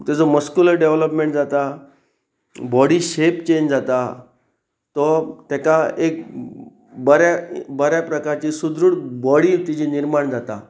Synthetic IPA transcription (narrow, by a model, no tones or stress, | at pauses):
t̪ɛd͡zɔməskjuləɾɖeʋləpmẽɳʈd͡zat̪a | bɔɽiɕept͡ɕeɲd͡ʑd͡zat̪a | t̪ɔt̪ɛkaek̚ | bəɾabəɾjapɾəkaɾt͡ɕiːsud̪ɾuːɽbɔɽiːt̪it͡ɕiːniɾmaɳd͡zat̪a